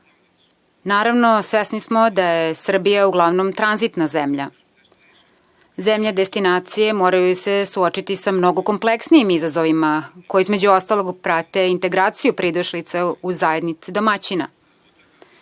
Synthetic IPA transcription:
naːɾaʋno̞sʋesnismod̪ajesr̩bijauɡlˠaʋnomt̪ɾanzit̪nazemʎa̰ | zemʎad̪e̞st̪inaːt̪sije̞moːɾajuse̞suot͡ʃit̪isamno̞ɡo̞ko̞mpleksniimizazoʋimakojeizmed͡ʑuost̪alo̞ɡpɾat̪e̞int̪e̞ɡɾaːt̪sijupɾid̪uʃlit̪seuzae̞d̪nit̪sid̪omat͡ɕina̰

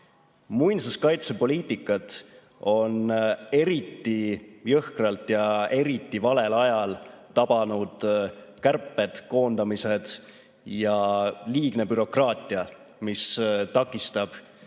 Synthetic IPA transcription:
mujnsuskɑjt̪se̞po̞liːt̪ˑikːˑɑt̪ | o̞ne̞ɾit̪ːijɤhkrɑlt̪ˑjɑe̞ɾit̪ːˑivɑle̞lɑjɑlt̪ɑb̥ɑnud̪̥ | kærpːet̪ko̞ːnd̪̥ɑmise̞d̪̥ | jɑliːɡ̥ne̞byɾo̞krɑːt̪ʲːˑiɑ | mist̪ɑkːˑist̪ɑb̥

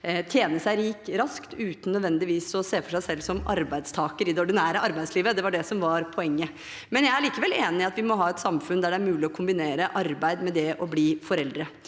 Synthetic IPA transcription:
t̪ʰjeːnəsæɪɾiːkɾɑskt̪ʉːt̪n̩nœd̪ʋɛnd̪ɪʋiːsɔseːfɔʂæɪsɛlːsɔmɑ̰ɾbæɪd̪st̪ʰɑːkəɾɪd̪ɛɔɖɪnæːɾəʔɑɾbæɪd̪sliːʋəd̪ɛʋɑɖɛsɔmʋɑɾpʰɔɛŋːə | mɛnjæɪæɭiːkəʋɛleːnɪɪɑt̪ʋɪmɔɦɑːɛt̪sɑmfʉnd̪æɖɛæɾmʉːlɪɔkʰʊmbɪneːɾəʔɑɾbæɪd̪mɛd̪ɛʔɔbliːfɔɾɛld̪ɾə

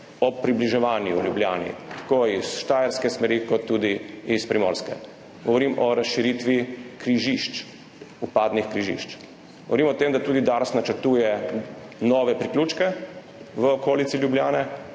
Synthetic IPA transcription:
ɔpːɾibliʒɛʋaːnjṵljubljaːnḭt̪ḁkoːisʃt̪aːjɛɾskɛsmɛɾikɔt̪ːuːd̪iispɾimo̰ːɾskɛ̰ | ɡ̥ɔʋɔɾimɔɾasʃiɾit̪ʋikɾiʒiʃt͡ʃ | upaːd̪nixkɾiʒḭʃt͡ʃ | ɡɡɔ̰ʋɔɾiːmɔɔt̪eːmd̪at̪uːd̪id̪aɾsnat͡ʃəɾt̪uːjɛ | nɔːʋɛpɾiklʲuːt͡ʃkɛ | ʋəɔkoːlit̪silʲjubljaːnɛ

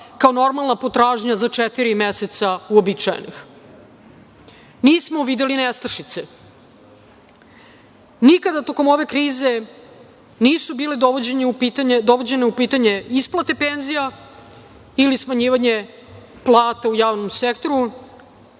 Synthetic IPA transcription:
kaono̞ɾmalˠnapo̞t̪ɾaːʒɲazat͡ʂet̪iɾimeset̪sauobit͡ʃa̰jḛnḭx | niːsmoʋid̪elinest̪ɾrʃit̪se | nikad̪at̪o̞ko̞mo̞ʋe̞kɾiːze | niːsubiːleo | d̪oʋod͡ʑe̞neupiːt̪aɲe̞isplˠat̪e̞penzija | ilismaɲiːʋaɲe | plˠaːt̪aujaːʋno̞msekt̪o̞ɾu

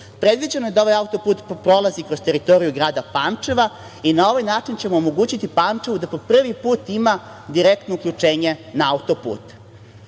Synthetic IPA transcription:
pɾe̞d̪ʋid͡ʑenoje̞d̪ao̞ʋajaut̪o̞puːt̪pɾo̞lˠazikɾo̞z̥t̪e̞ɾit̪o̞ɾijuɡɾaːd̪apaːmt͡ʂe̞ʋa | inao̞ʋajnaːt͡ʂint͡ɕe̞moːmo̞ɡuːt͡ɕit̪ipaːmt͡ʂeʋud̪apo̞pr̩ʋipuːt̪ima | d̪iɾekt̪no̞ukʎʲut͡ʂe̞ːɲe̞naaut̪o̞pṵːt̪

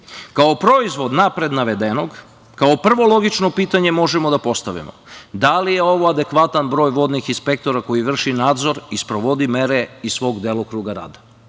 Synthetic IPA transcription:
kaopɾo̞izʋo̞d̪napɾe̞d̪naʋe̞d̪eno̞ɡ | kaopr̩ʋo̞lo̞ɡit͡ʃno̞piːt̪aɲe̞mo̞ʒemo̞d̪apo̞st̪aʋḭmo̰d̪alije̞o̞ʋo̞ad̪e̞kʋat̪anbɾo̞ːjʋo̞d̪nixinspe̞k̚t̪o̞ɾako̞jiʋr̩ʃinaːd̪zo̞ɾispɾo̞ʋo̞d̪ime̞ɾeissʋo̞ːɡd̪eːlˠokɾuːɡaɾa̰ːd̪a

